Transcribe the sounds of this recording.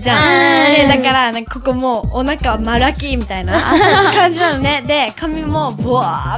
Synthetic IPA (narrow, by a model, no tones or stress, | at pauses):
d͡ʑãd̪ed̪akaɾanãkako̞ko̞moːnakaβamaɾɯakʲimʲit̪ainakãɲ̟d͡ʑinano̞ne̞d̪e̞kamʲimo̞boa